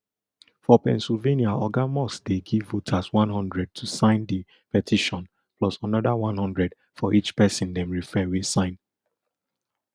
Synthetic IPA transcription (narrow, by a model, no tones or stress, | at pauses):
fɔpɛ̰̃nsilveniaɔɡamɔsdeɡivːotʰaswãnɦɔ̃ndɹɛd̚tʰusãɪ̃ndi | pɛtʰiʃɔ̃n | pʰlɔsanɔdawãnhɔ̃ndɹɛd | fɔʔit͡ʃpɛsɪ̃ndɛ̃mɹifɛwisãɪ̃n